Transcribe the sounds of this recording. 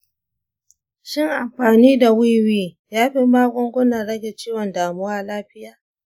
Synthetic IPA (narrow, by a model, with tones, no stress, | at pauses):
ʃɪ˦ŋʔa˨mɸaː˨niː˦da˨wi˦wiː˦ | jaː˦ɸi˦maː˦ɡʷɔ˦ŋɡʷʊ˦nɐ˨nɽɐ˦ɡʲe˨t͡ʃiː˦wɔ˨ndaː˨mʊ˦waː˦laː˦ɸɪ˦jaː˦